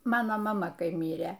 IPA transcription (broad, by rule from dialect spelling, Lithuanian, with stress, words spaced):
ˈmɑːnoː mɐˈmɐ ˈkɐɪ ˈmʲiːrʲeː